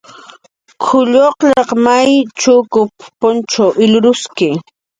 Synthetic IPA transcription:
kʰʊʎoqʎɑqmajt͡ʃʊkʊppʊnt͡ʃawʔɪlʊɾʊskɪ

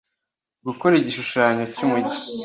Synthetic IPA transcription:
ɡukoɾiɟiʃuʃaːɲecumuɟi

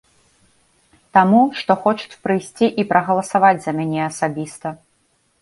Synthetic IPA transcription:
t̪amuʂt̪ɔxɔt͡ʂu̥t͡sʲpɾɨjsʲt͡sʲiʔipɾʔɐɣɐlˠɐsavad͡zʲzɐmʲanʲɛɐsabʲist̪ɐ

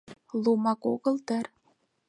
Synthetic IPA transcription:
lumɑkoɣɤ̆lt̪ər

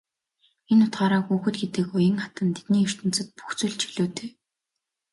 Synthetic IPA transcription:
enʊt̪ɢaːɾaːxuːxɘ̆t̪̚ɡet̪ɘ̆kʊjə̆ŋχat̪ə̆nt̪ʰet̪niːɵr̥t̪ɵ̆nt͡sɘ̆t̪̚pu̥xt͡sŭɮt͡ɕʰiɮoːt̪eː

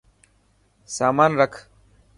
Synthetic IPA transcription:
saːmaːnɾəkʰ

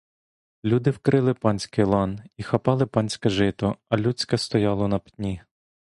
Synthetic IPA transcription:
lʲud̪ɪwkɾɪlˠɪpɑnʲsʲkɪjlˠɑnixɐpɑlˠɪpɑnʲsʲkɛʒɪt̪ɔɐlʲut͡sʲkɐst̪ɔjɑlˠɔnɐptʲnʲi

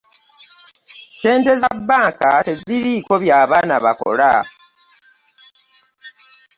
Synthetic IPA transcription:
se̞ːnte̞zabːaːŋkate̞ziɾiko̞βjaːβaːnaβa̰ko̞̰la̰

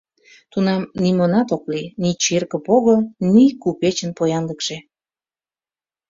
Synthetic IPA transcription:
t̪unɑmnimonɑt̪oklinit͡ɕerkə̆poɣonikupet͡ɕənpojɑnləkʃe

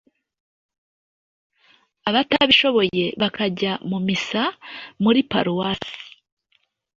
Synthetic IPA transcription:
aβataβiʃo̞βo̞je̞βakʰaɟamumisamuɾipa̰ɾuwasi̥

